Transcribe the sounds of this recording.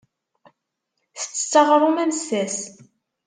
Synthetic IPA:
θə̥t͡sːə̥t͡sːɑʁɾˤumænsæs

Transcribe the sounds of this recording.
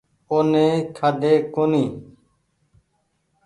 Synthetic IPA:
oːnẽːkʰad̪eːkoːniː

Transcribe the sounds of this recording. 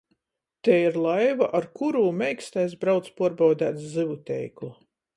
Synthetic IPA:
t̪ɛiɾlˠajvaʔaɾkuɾuːmʲɛjkst̪ajsbɾawt̪spuɔɾbawd̪æːt̪szɨvut̪ʲɛ̰jklˠu

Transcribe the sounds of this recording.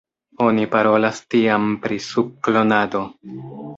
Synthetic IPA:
o̞nipaɾo̞lastiampɾisub̚klo̞nado̞

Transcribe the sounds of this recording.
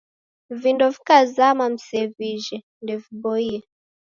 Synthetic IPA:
vindɔvikazamam̩sɛviʒɛ | ndɛvibɔiɛ

